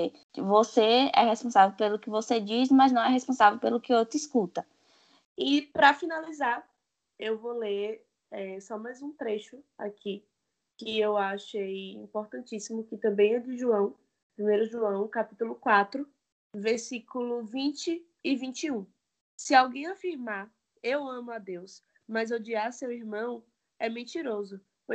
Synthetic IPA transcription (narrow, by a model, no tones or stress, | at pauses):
voseɛ̰ɦespõsavewpelʊkɪvosed͡ʒismɐznɐ̃w̃ɛɦɛspõsavewpelʊkɪot̪iskut̪ɐ | ipɾɐfinalizaɾ | ewvoleɾ | ɛsɔmajzũt̪ɾeʃʊa̰ki | kɪewaʃejḭ̃poɾt̪ɐ̃nt͡ʃisimʊkɪt̪ɐ̃mbẽj̃ɛd͡ʒɪʒuɐ̃w̃ | pɾimejɾʊʒuɐ̃w̃kapit̪ulʊkwat̪ɾʊ | veɾsikulʊvĩt͡ʃɪː | vĩnt͡ʃɪũ | sɪawɡẽj̃afiɾmaɾ | ewɐ̃mʊad̪ews | mɐzod͡ʒiaɾsewiɾmɐ̃w̃ | ɛmẽt͡ʃiɾozʊ | po